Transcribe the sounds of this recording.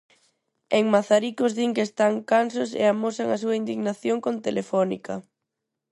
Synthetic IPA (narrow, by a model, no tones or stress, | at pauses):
eŋmaθaɾikozðiŋkest̪aŋkansosḛamosaŋas̬uɐind̪iɣnaθjoŋkont̪elefɔnḭkɐ